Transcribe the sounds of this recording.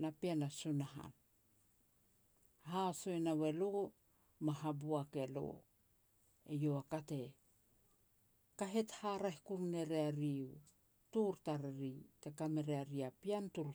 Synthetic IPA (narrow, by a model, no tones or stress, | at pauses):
napianasunaɦa̰n | ɦaso̞jnawe̞lo | maɦabuake̞lo̰ | ejoakate̞ | kaɦe̞thaɾahikuɾne̞ɾeaɾiu | tuɾtaɾeɾite̞kame̞ɾeaɾiapiantuɾ